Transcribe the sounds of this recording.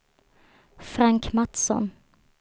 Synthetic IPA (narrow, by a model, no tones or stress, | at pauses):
fɾaŋkmat̪sɔ̰n